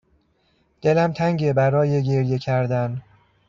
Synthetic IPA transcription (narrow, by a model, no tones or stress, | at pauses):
d̪̥e̞læmt̪ʰæŋɟebæɾɒːjeɟe̞ɾje̞cʰæɾd̪æn